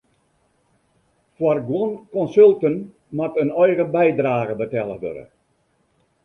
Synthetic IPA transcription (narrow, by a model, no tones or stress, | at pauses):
fwarɡwɔnkɔnsølˠtən | matənɔjɣəbɛjdraːɣəbətɛlˠəʋø̰ɾə̰